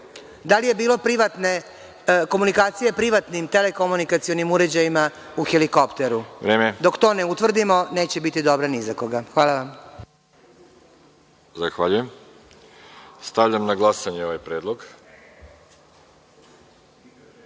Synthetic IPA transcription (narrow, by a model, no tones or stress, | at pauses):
d̪alije̞biːlo̞pɾiʋat̪ne | ko̞munikaːt̪sije̞pɾiʋat̪nimt̪ele̞ko̞munikat̪sijo̞nimuɾe̞d͡ʑajima | uxeliko̞pt̪e̞ɾuʋɾeːmed̪o̞kt̪o̞ːne̞ut̪ʋr̩d̪imo̞ne̞ːt͡ɕe̞bit̪id̪o̞bɾanizako̞ɡaxʋaːlˠaʋam | zaxʋaʎujem | st̪aʋʎamnaɡlˠasaɲeoʋajpɾeːd̪lˠoɡ